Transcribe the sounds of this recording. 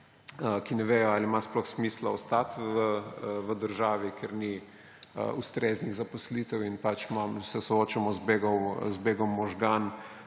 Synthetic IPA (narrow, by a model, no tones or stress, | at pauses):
əkinɛʋeːjɔaːlimasplɔxsmiːslaɔst̪at̪ʋəʋəd̪əɾʒaːʋikeɾni | ə̰ust̪ɾeːzniɣzapɔslit̪ɛwinpat͡ʃmamsɛsɔoːt͡ʃamɔzbeːɡɔwzbeːɡɔmːɔʒɡan